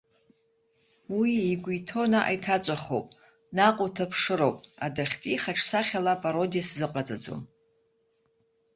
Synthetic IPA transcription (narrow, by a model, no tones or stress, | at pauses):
wiːɡʷitʰo̞naʔa̰jtʰat͡ʃʷʼaχo̰pʼ | naqʷʼʊtʰapʰʂɨɾo̞wpʼadaχʲtʼiχaʈ͡ʂʰsaχʲalapʼaɾo̞dijaszɨqʼat͡sʼad͡zo̰